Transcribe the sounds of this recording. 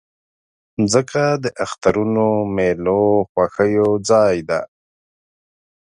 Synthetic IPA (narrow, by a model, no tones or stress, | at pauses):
zəkad̪əʔaxt̪aɾunomeloxwaxəjod͡zɑjd̪a̰